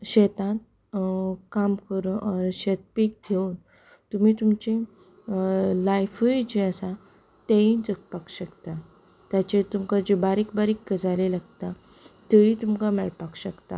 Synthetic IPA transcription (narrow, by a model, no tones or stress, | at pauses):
ɕet̪ãn | kamkəɾɕet̪̚piːk̚ɡʱeun | t̪um̤iːt̪umt͡ɕe | lajfəd͡ʑeəsa | t̪eĩd͡zəkpakɕəkt̪a | t̪jat͡ɕet̪umkad͡ʑebaɾikbaɾikːəd͡zalelaɡt̪a | t̪əĩt̪umkamɛɭpakɕəkt̪a̰